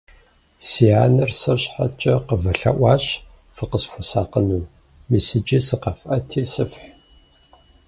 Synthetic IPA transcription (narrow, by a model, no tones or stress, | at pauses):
siaːnɨrsɐɕħa̰t͡ʃʼɐqəvɐɬɐ̰ʔʷɑːɕ | fɨqəsxʷʊsaːqənuː | misɨd͡ʒisɨqɐfʔɐtʰiːsɨfħ